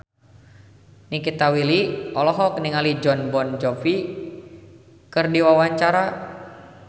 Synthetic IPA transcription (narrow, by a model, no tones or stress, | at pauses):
nikit̪awiliɔlɔɦɔk̚niŋalid͡ʒɔnbɔnd͡ʒɔfi | kɨrdiwawaɲt͡ʃaɾa